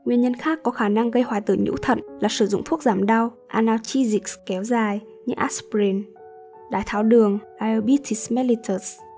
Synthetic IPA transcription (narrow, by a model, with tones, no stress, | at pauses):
ŋwi˨˩əɲə˧nxaː˦˥kːɔ˨˦xaː˧˩na˧ŋɣə˧jhwaː˨˧˩jt̪ɨ˧˩ɲṵ˧˥t̪ʰə̰˧˨nlaː˨˩sɨ˧˩zʊ̰˧˨ŋ͡mt̪ʰu˦˥ək̚zaː˧˩mɗa˧wʔaː˧naː˧t͡ɕi˧zi˨˩kskɛ˨˦wzaː˨˩j | ɲɨ˧ʔaː˦˥spɾi˧˩n | ɗaː˨˩jt̪ʰaː˨˦wɗɨ˨˩əŋʔaː˧ə˧ɓi˧˥t̪ʰi˧˩smɛ˧li˧t̪ʰə˨˩s